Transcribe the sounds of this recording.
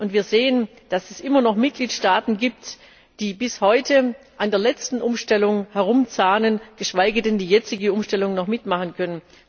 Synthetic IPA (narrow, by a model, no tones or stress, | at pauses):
ʔʊntv̥iːɐzeːən | d̥asɛsʔɪmɐnɔχmɪt̚ɡ̥liːtʃtaːtn̩ɡiːp̚t | d̥iːbɪshɔʏtə | ʔandeːɐlɛt͡stn̩ʔʊmʃtɛlʊŋhɛʁ̞ʊmt͡saːnənɡ̥əʃv̥aɪɡədɛndiːjɛt͡sɪɡəʊmʃtɛlʊŋnɔχmɪtmaχənkʰœnən